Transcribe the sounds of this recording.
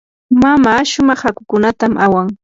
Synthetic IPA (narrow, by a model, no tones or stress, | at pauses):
mamaːʃʊmɑχhakʊ̥kʊnat̪amʔawaŋ